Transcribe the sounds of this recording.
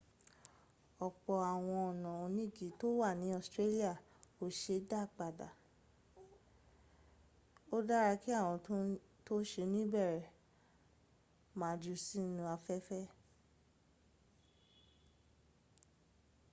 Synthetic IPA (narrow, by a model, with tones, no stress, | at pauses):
ɔ˨k͡pɔ˨a˨w̃ɔ̃˧ɔ˨nã˨o˧nĩ˦˨ɡi˨˦to˦wa˦˨nĩ˨˦ɔ˦˨stɾe˦li˦a˦˨ | o˨˦ʃe˧˦da˦˨k͡pa˨da̰˨ | o˦da˦ɾa˧ki˦a˦˨w̃ɔ̃˧tũ˦ | to˦ʃe˧˦nĩ˦bɛ˦˨ɾɛ˨ | mãː˨˦d͡ʒu˧˦si˦nũ˧a˧fɛ˦fɛ˦